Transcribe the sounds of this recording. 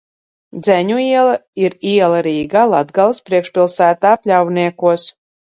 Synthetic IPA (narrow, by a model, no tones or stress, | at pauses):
d̪zɛɲuiɛlˠaiɾiɛlˠaɾiːɡalˠad̪ɡalˠspɾiɛkʃpʲilˠsæːt̪aːpʲlʲawniɛkuɔs